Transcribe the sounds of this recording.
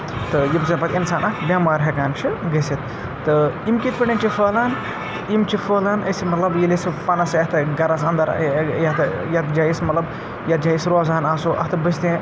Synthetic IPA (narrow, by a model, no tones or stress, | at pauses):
t̪ɨjibsinpɐt̪ʲinsaːnʔɐhbʲjaːmaːɾɦɐkaːnt͡ʃʰiɡɐsit̪ː | ɨimkit̪pɐɳʲeːnt͡ʃʰifoːlaːn | imt͡ʃʰifoːlaːnɐsimɐt̪lɐbjilesfɐnɐsjɐɦt̪ɨɡɐɾasɐnd̪ɐɾjɐt̪ɐjɐt̪d͡ʒaːjismɐt̪lɐb | jɐt̪̚d͡ʒaːjisɾoːzaːnaːsoːʔɐ̰ɦt̪ɨbɐsʰt̪ĩː